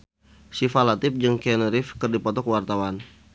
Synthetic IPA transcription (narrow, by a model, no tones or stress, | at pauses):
sifalat̪ɪp̚d͡ʒɨŋkɛnəɾɪfkərdipɔt̪ɔkəwart̪awan